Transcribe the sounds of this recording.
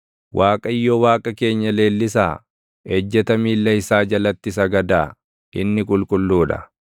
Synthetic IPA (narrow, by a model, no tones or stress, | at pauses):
wʔaːkʼɐjːoːwaːkʼɐke̞ːɲːɐle̞ːlːɪsaː | ɛd͡ʒːɛt̪ɐmiːlːɐɪsaːd͡ʒɐlɐt̪ːɪsɐɡɐd̪aː | ʔɪnːɪkʼʊlkʼʊlːuːᶑɐ̰